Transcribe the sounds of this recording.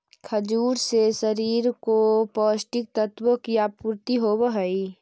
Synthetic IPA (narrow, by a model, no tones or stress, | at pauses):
kʰəd͡ʒuːɾsesəɾiːɾkopɔːsʈɪk̚t̪ət̪wəkijapuɾt̪iɦobəɦəi